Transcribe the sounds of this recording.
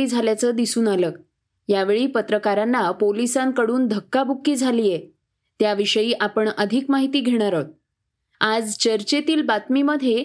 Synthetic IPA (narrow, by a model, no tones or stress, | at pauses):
iːd͡zʱaljat͡səd̪isuːnalək | jaʋeɭiːpət̪ɾəkaɾanːapolisãŋkəɽuːnd̪ʱəkːabʱukːiːd͡zʱaliːje | t̪jaʋiʂəjiːʔapəɳəd̪ʱikmaɦit̪iːɡʱeɽ̃aɾə | ad͡zt͡ɕəɾt͡ɕet̪iːlbat̪miməd̪ʱje